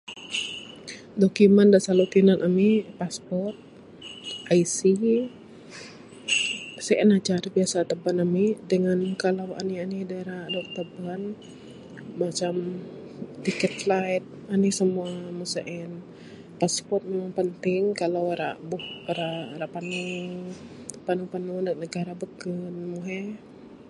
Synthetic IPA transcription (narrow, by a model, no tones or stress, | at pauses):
dokimandasalot̪inanʔamipaspɔrrt̪̚ | aisi | səʔɛnat͡ʃaɾabiasat̪əbanamidəŋankalawa̰nianidaeɾadɔk̚t̪əban | mat͡ʃam | t̪ikɛt̪lajt̪̚anisəmuamusəʔɛn | paspɔt̪̚memaŋpənt̪ɪŋkalawɾaʔbʊhɾaɾaʔpanu | panupanundək̚nəɡaɾabəkənmuɦɛ